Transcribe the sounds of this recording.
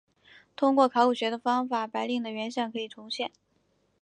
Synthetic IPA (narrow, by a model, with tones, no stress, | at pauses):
t̪ʰʊ˥ŋkwɔ˥˩kʰɑ˧˥ʊu˨˩ɕɥɛ˧˥d̪ə˧fɑ˥ŋfa˨˩pa˧˥ɪli˥˩ŋd̪ə˩ɥɛ˧˥nɕjɑ˥˩ŋkʰɤ˧˥i˨˩ʈ͡ʂʰʊ˧˥ŋɕjɛ˥˩n